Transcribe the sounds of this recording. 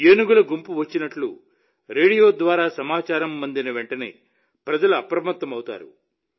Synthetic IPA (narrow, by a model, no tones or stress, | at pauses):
eːnuɡulɐɡumpuʋɐt͡ʃːinɐʈlṵ | ɾe̞ːɽijo̞ːd̪ʋaːɾaːsɐmaːt͡ʃaːɾɐmːɐnd̪inɐʋe̞ɳʈɐne̞̰ː | pɾɐd͡ʒɐluɐpɾɐmɐt̪ːɐmɐwt̪a̰ːɾṵ